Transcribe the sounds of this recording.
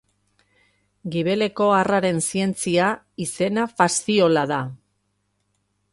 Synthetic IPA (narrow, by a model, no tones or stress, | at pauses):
ɡiβe̞le̞ko̞araɾe̞nsie̞nt͡sia | ise̞nafast̪io̞laða